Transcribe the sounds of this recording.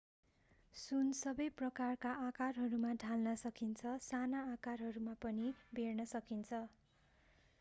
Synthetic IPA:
sunsʌbʌjprʌkarkaʔakarɦʌɾumaɖʱalnʌsʌkint͡sʰʌsanaːkarɦʌɾumapʌnibernʌsʌkint͡sʰʌ

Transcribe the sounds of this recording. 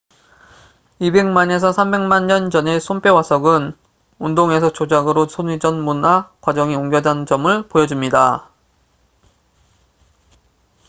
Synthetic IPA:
ibe̞ŋmane̞sʰʌsʰambe̞ŋmaɲɲʌnd͡ʑʌne̞sʰomp͈ʰewasʰʌɡɯn | undoŋe̞sʰʌt͡ɕod͡ʑaɡɯɾosʰonid͡ʑʌnmunakwad͡ʑʌŋioŋɡjʌdand͡ʑʌmɯɭpojʌd͡ʑumɲida

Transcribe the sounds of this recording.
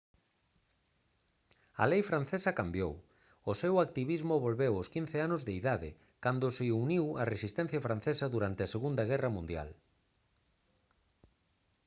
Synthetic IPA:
ɐ̰lejfɾan̟θesɐkambjo̰w | ʊsewak̚t̪iβizmʊβolβewoskin̟θeanʊzðeiðaðɪ̰ | kand̪ʊsɪuniwɐresist̪ɛn̟θjɐfɾan̟θesɐðuɾant̪ɪɐseɣund̪ɐɣ̞ɛrɐmũnd̪ja̰l

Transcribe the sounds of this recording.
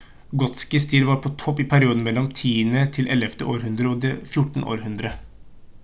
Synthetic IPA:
ɡɔt̪skɪst̪ʰiːlʋɑːɾpʰɔt̪ʰɔpːɪpʰæɾɪuːd̪n̩mɛlːɔmt̪ʰiːənət̪ʰɪlʔɛlɛft̪əʔoːɾɦʉnd̪ɾəɔd̪ɛfjʊʈːɳ̩ʔo̰ːɾhʉnd̪ɾə

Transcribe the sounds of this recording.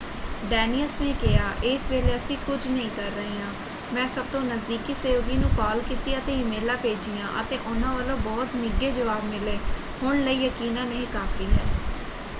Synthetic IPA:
ɖɛːnijəlsneːkɪjaːʔeːsʋeːleːəsĩːkʊd͡ʒnəĩːkəɾːəɦeːãː | mɛ̃ːsəb̚t̪õːnəzd̪iːkiːseːʋɡiːnũːkaːlkiːt̪iːət̪eːɪmeːlaːpeːd͡ʒiːjãːʔə̰t̪eːʔʊnãːʋəlõːbɔːt̪nɪɡeːd͡ʒəʋaːbmɪleː | hʊɳləiːjəkiːnãːneːkaːfʰiːɦɛː

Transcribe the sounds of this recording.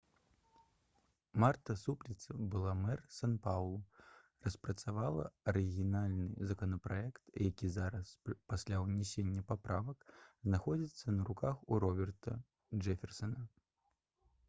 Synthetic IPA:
mart̪ɐsuplʲit̪sɐbɨlˠamɛrsanpawlˠuɾrɐspɾɐt̪savalˠɐ̰ɐɾɨɣʲinalʲnɨ̰zɐkɐnɐpɾajɛkt̪jakʲizaɾɐspasʲlʲawnʲɛsʲenʲːɐpapɾavɐkznaxɔd͡zʲit̪sːɐnɐɾukaxuɾɔbʲɛrt̪ɐ̰ | ʐɛfʲɛrsɐnɐ

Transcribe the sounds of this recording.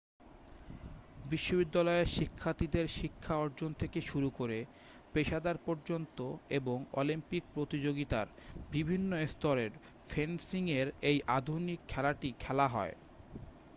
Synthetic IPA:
biʃːobid̪ːalɔeɾʃikʰːat̪id̪eɾʃikʰːaɔɾd͡ʑont̪ʰekeʃuɾukoɾe | peʃad̪aɾpɔɾd͡ʑont̪oeboŋɔ̰limpik̚pɾot̪id͡ʑoɡit̪aɾbibʱinːoest̪oɾeɾ | fʰensiŋeɾejʔad̪ʱunikʰːɛlaʈikʰɛlaɦɔ̰e

